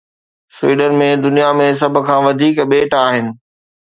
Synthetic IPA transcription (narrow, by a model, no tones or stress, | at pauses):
sʊwiːɖənmẽd̪ʊnijamẽs̬ɐbʱʊ̆kʰãːʋɐd̪ʱiːkɓeːʈaːɦɪnɪ̆